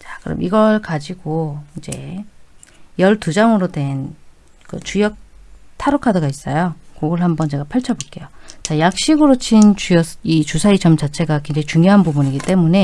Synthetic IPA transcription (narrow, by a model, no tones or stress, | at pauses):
t͡ɕḁkɯɾʌ̰mʔiɡʌɭkad͡ʑiɡoind͡ʑe̞̰ | jʌɭtud͡ʑaŋɯɾodwe̞n | kɯt͡ɕujʌk̚tʰaɾokʰadʌɡais͈ʌjokoɡɯɭɦambʌnt͡ɕe̞ɡapʰaɭt͡ɕʰʌbok͈e̞jot͡ɕajak̚ɕ͈iɡɯɾot͡ɕʰint͡ɕujʌsit͡ɕusʰait͡ɕʌmt͡ɕat͡ɕʰe̞ɡakwend͡ʑeit͡ɕuŋjoɦanbubuɲiɡit͈emune̞